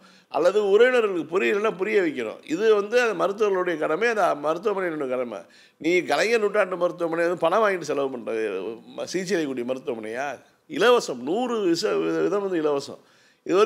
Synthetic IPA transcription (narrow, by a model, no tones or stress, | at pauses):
ʔɐ̰lːɐðɯʊɾɐjnɐɾɐlɯkːɯpʊɾɪjɪlːɐnːaːpʊɾɪjɐʋɐk̬ʲːɐɾʊ̰̃ɪðɯʋɐnd̪ɯɐnðd̪ɐmɐɾɯt̪̬ːɯɐɐlɯɽɐjɐkɐɽɐmeːɐnd̪ɐmɐɾɯt̪̬ːɯʋɐmɐnɪnɐɳːɯkɐɽɐmɐ̰ | nĩːɡɐlɐŋɡɐnʊʈːaːʈːɯmɐɾɯt̪ːɯʋɐmɐnːɪʋɐnd̪ɯpɐnɐmaːjɪɳɖːɯsɛlɐʋɯpɐɳɾɐðɯsiːt͡ʃːɛlɐkːuːɽɪjɐmɐɾɯt̪ːʊʋɐmɐɳːɐjaː | ɪlɐʋɐsɐmnuːɾɯʋɪsɐɪðʋɪðɐ̃mʋɐnd̪ɯɪlɐʋɐsɐ̰̃ | ɪðɯʋɐ